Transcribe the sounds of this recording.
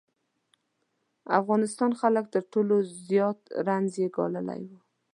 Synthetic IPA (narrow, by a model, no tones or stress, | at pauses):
a̰fɣɑnɪst̪ɑnxalək̚t̪əɾʈolozjɑt̪ɾanzjeɡɑ̰ləla̰jwu